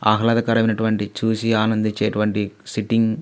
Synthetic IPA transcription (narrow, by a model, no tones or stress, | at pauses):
a̰ːkɐlaːd̪ɐkɐɾɐʋinɐʈuʋɐɳʈit͡ʃuːsiaːnɐnd̪it͡ʃeːʈuʋɐɳʈisiʈiŋɡ